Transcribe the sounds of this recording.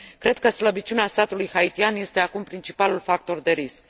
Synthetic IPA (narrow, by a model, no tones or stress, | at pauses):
kːɾe̞d̪̥̚kəsləbit͡ʃuneasat̪ulujxait̪ianje̞st̪e̞akumpɾint͡ʃipalulfak̚t̪o̞rd̪e̞ɾisk